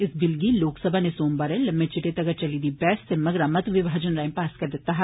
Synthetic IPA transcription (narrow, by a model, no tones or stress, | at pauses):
ɪsbɪlɡiloːksəbʱanesoːmbɐɾẽlɐmbet͡ʃɪʈet̪ɐɡət͡ʃɐlid̪iːbɛːsːemɐɡɾãmɐt̪ʋɪbʱaːd͡ʒənɾaːjmpaːskɐɾd̪ɪt̪aɦ